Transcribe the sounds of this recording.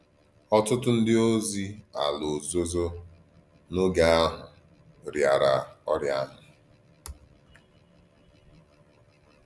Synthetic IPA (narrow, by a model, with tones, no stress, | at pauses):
ɔ˦tʊ˦tʊ˦n̩˦dɪ˦o˦zi˦a̰˨lo˨zo˦zo˦ | no˦ɡa˦a˦ɦʊ˨ | ɾja˨ɾa˨ɔ˦ɾja˦nʊ˨